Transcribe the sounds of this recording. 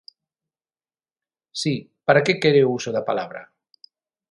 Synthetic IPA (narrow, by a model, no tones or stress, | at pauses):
si | pəɾakekeɾewusoðapalaβɾa̰